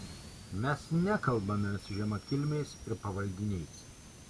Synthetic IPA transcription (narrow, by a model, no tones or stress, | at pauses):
mʲɛsnʲɛkɐlˠbɐmʲɛsʊʒʲɛmɐkʲɪlʲmʲɛɪsɪɾpɐʋɐlʲd̪ʲɪnʲɛɪs